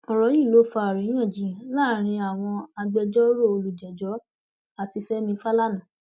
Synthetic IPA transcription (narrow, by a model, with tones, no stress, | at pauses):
ɔ˨ɾɔ˨˦ji˦˨lo˨˦fa˧˨ɾĩ˨˦ã˦˨d͡ʒĩ˨˦laː˦˨ɾ̃ĩ˧a˨w̃ɔ̃˧a˧ɡ͡bɛ˧d͡ʒɔ˦ɾo˦˨o˧lu˨d͡ʒɛ˨d͡ʒɔ˨˦ | a˦˨ti˧fɛ˦mĩ˧˦fa˦la˦nã˨